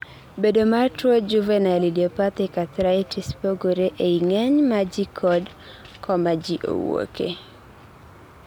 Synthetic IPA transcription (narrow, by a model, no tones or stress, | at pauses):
bedomatod͡ʒuvɛnalidiopat̪ɪkat̪ɾaitispoɡoɾeʔeiŋɛɲmad͡ʒikʰɔd | kʰɔmad͡ʒiʔo̰wo̰kḛ